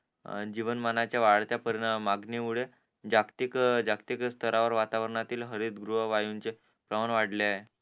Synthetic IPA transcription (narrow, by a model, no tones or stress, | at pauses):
d͡ʑiʋənmanat͡ɕjaʋaɽt̪japəɾnəmaɡniʋuɽe | d͡ʑakt̪ikd͡ʑakt̪ikst̪ʰəɾaʋəɾʋat̪aʋəɾɳat̪iːlɦəɾit̪ɡɾuɦəʋajunt͡se | pɾəmanʋaɽleaɦe